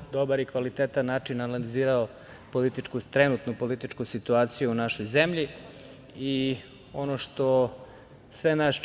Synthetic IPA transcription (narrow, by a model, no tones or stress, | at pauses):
d̪o̞baɾikʋalit̪eːt̪anːaːt͡ʃinanaliziːɾao | po̞lit̪it͡ʃkut̪ɾenut̪nupo̞lit̪it͡ʃkusit̪uaːt̪sijuunaʃo̞jzemʎi | i | o̞noʃt̪o̞ | sʋenaʃ